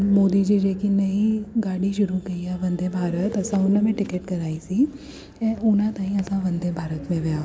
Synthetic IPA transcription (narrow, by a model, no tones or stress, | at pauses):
moːd̪id͡ʒid͡ʒeːkinɐiɡaːɽiʃʊɾukɐiɦɛʋɐ̃nd̪ʱebʱaːɾət̪ɐsãʊnmẽʈɪkeʈkɐɾaːisi | ɛ̃ːʊnãt̪aːɦĩɐsãʋɐ̃nd̪ʱebʱaːɾət̪mẽʋija